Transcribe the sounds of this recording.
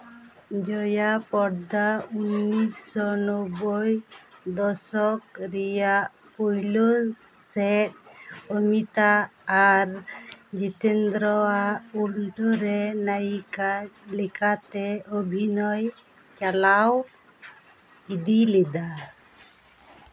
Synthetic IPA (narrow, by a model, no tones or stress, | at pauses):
d͡ʒɔjapɔɾd̪aunːisɔnɔbɔjd̪ɔsɔk̚ɾijaʔ | pɔjlɔ | sɛt̚ɔmit̪aː | ɾd͡ʒit̪ɛnd̪ɾɔaʔulɖɔɾɛnajkalɛkat̪ɛɔbʱinɔj | t͡ʃalaw | id̪ilɛd̪a